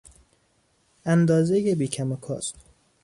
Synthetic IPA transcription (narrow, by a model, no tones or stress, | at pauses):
ænd̪ɒːzejebiːcʰæmokʰɒ̰ːst̪